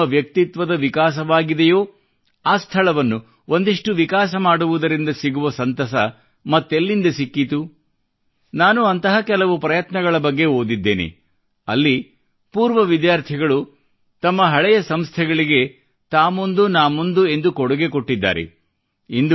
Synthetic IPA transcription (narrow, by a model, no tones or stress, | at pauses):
ɐʋjɐk̚t̪it̪ʋɐd̪ɐʋikaːs̬ɐʋaːɡid̪ejoː | aːst̪ʰɐɭɐʋɐnːu | ond̪iʂʈuʋikaːs̬ɐmaːɽuʋud̪ɐɾind̪ɐsiɡuʋɐsɐnt̪ɐsɐ | mɐt̪ːelːind̪ɐsikːit̪u | naːnuɐnt̪ɐɦɐkɛlɐʋupɾɐjɐt̪nɐɡɐɭɐbɐɡːe̞ɦoːd̪id̪ːḛːnḛ | ɐ̰lːi | puːɾʋɐʋid̪jaːɾt̪ʰiɡɐɭu | t̪ɐmːɐɦɐɭɛjɐsɐmst̪ʰɛɡɐɭiɡe̞ | t̪aːmond̪unaːmond̪ue̞nd̪ukɔɽuɡe̞koʈːid̪ːa̰ːɾḛ | ind̪u